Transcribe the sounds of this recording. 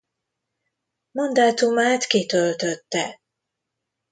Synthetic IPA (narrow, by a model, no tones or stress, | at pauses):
mond̪aːt̪umaːt̪kit̪ølt̪øt̪ːɛ